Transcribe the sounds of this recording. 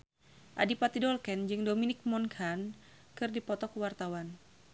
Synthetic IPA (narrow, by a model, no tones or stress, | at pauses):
ʔadipat̪idɔlkɛnd͡ʒɨŋdominɪk̚mɔnkʰan | kɨrdipɔt̪ɔkuwart̪awan